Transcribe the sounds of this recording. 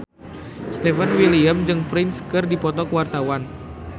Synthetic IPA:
st̪ɛfənwiliamd͡ʒɨŋpɾɪnskɨrdipɔt̪ɔkəwart̪awan

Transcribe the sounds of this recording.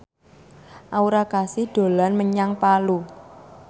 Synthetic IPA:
ʔauɾakasiɖ̪̥o̤lanməɲaŋpalu

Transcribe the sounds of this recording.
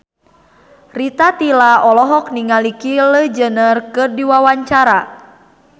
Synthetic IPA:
rit̪at̪ilaɔlɔɦɔk̚niŋalikiləd͡ʒənərkɨrdiwawaɲt͡ʃaɾa

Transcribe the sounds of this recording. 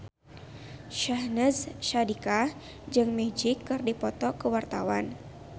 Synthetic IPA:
ʃahnəzʃadika | d͡ʒɨŋmɛd͡ʒɪkːɨrdipɔt̪ɔkəwart̪awan

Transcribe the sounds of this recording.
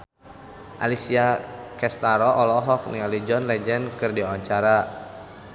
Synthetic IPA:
ʔa̰lisiakɛst̪aɾɔʔɔlɔɦɔk̚nialid͡ʒɔnlɛd͡ʒɛnkɨrdiawaɲt͡ʃaɾa

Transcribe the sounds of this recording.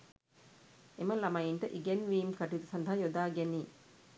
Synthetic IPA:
eməlɐmɐiɳʈəʔiɡenʋiːmkɐʈiʋit̪usɐnd̪ɐɦajod̪aːɡeniː

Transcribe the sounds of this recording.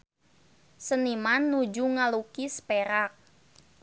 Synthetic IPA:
sənimanːud͡ʒuŋalukispeɾak̚

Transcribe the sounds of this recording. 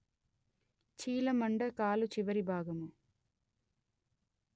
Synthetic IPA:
t͡ʃiːlɐmɐɳɖɐkaːlut͡ʃiʋɐɾibʱaːɡɐmu

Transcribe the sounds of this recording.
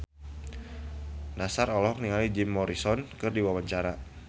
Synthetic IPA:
nasarɔlɔɔk̚niŋalid͡ʒɪmːɔɾisɔnkɨrdiwawaɲt͡ʃaɾa

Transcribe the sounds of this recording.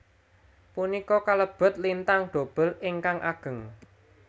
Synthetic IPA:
punikɔkaləb̥ə̤t̪̚lint̪aŋɖ̪̥o̤b̥ə̤lɪŋkaŋʔa̰ɡ̥ə̤ŋ

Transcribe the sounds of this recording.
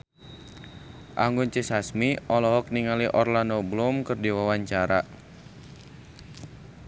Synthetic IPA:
ʔaŋɡʊnt͡ʃesasmiɔlɔɦɔk̚niŋaliʔɔrlanɔblʊmkɨrdiwawaɲt͡ʃaɾa

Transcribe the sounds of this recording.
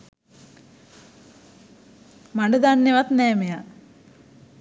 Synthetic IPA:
maɳɖəd̪anːeʋat̪nɛːmeja

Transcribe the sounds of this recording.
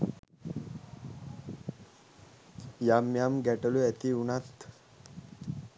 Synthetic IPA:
jamjamɡɛʈəluæt̪iunat̪

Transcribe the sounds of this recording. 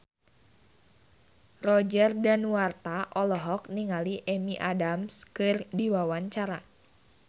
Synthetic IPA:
rɔd͡ʒərdanuwart̪aʔɔlɔɦɔkniŋaliʔɛmiʔadamskɨrdiwawaɲt͡ʃaɾa

